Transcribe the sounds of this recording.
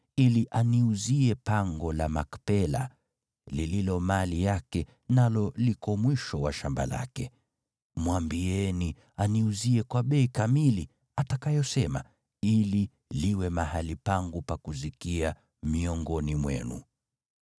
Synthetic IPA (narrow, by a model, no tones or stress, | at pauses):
iliʔaniuziɛpaŋɡɔlamakpɛla̰ | lililɔmalijakɛ | nalɔlikɔmwiʃɔwaʃamba̰la̰kɛ | mwambiɛni | aniuziɛkwaɓɛikamili | atakajɔsɛma | ili | liwɛmahalipaŋɡupakuzikia | miɔŋɡɔnimwɛ̰nṵ